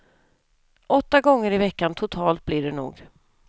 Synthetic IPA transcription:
ʔɔt̪ːaɡɔŋːəɾɪvɛkːant̪ʰʊt̪ʰɑːlt̪̚blɪɖɛnṵːɡ

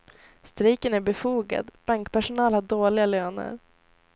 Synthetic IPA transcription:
st̪ɾiːkənæɾbɛfuːɡa̰d̪b̥aŋkpæʂʊnɑːlhaɖoːɭɪɡaløːnə̰ɾ

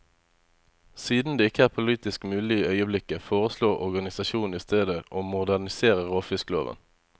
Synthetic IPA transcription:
siːd̪n̩d̪eːɪkːəæːʁpʰʊliːt̪ɪskmʉːlɪəœʏəblɪkːəfoːʁəsloːʁɔ̰ʁɡɑnɪsɑʃuːn̩iːst̪ʰeːd̪əʔoːmʊd̪æʁnɪseːʁəʁoːfɪsklo̰ːʋə̰n

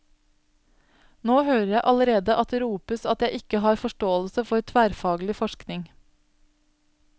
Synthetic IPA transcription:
noːhøːɾəɾjæɪʔɑləɾeːd̪əʔɑt̪ɾuːpəsɑt̪jæɪʔɪkəɦɑːɾfɔʃʈoːəlsəfɔɾt̪ʰʋæːɾfɑːɡlɪfɔʃknɪŋ

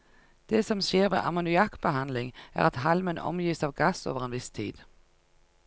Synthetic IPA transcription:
d̪̥eːsɔmʃeːʁʋḛːʔɑmʊnʉɑkb̥əɦɑnlɪŋæ̰ːʁɑt̪hɑlmənɔ̰mjiːsɑːʋɡɑso̰ːʋəʁeːnʋɪst̪ʰḭːd̪̥

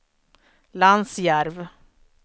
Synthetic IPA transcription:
lansjæɾv

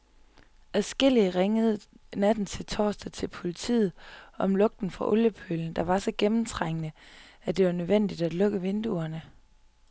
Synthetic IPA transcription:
æsɡ̥e̝l̰iəʁeŋəð̞̩ˠ | næd̥n̩t͡sʰe̝lt͡sʰɒ̰ːsd̥æt͡sʰe̝lpʰo̝lit͡sʰḭːð̞̩ˠʔɒ̽mlɔ̽ɡ̥̚d̥n̩fʁɑ̈ʔoljəpʰøln̩d̥ɑ̈ʋɑ̈sɒ̽ɡ̥emm̩t͡sʰʁaŋ̰ənəæd̥e̝ʋɑ̈nøðˠʋen̰d̥id̥æd̥lɔ̽ɡ̥əʋe̝nd̥uɐnə

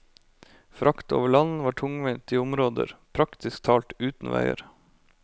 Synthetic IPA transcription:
fɾʔɑkt̪o̰ːʋəɭɑnn̩ʋɑːʈʰʊŋʋɪnt̪iːʊmɾoːd̪ə̰ɾpʰɾɑkt̪ɪskt̪ʰɑːlt̪ʉːt̪n̩ʋæ̰ɪə̰ɾ

